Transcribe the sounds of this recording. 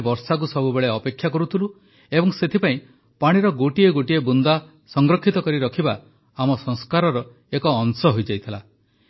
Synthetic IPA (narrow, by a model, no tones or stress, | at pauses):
bɔɾsak̬usɔbubeɭeɔpekʰːjakɔɾut̪ʰilu | ebɔŋset̪ʰipaĩ | paɽ̃iɾɔɡoʈieɡoʈiebund̪a | sɔŋɡɾɔkʰːit̪ɔkɔɾiɾɔkʰiba | amɔsɔŋskaɾɔɾɔ | ekɔːŋsɔɦojd͡ʒajt̪ʰila